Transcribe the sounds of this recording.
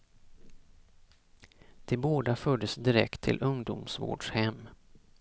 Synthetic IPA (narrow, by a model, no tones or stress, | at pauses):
d̪̥ɛboːd̪afœːɖəsd̪ɪɾɛ̰kt̪ʰːɪ̰lʔɵŋd̪ʊ̰msvo̰ːɖʂhɛmː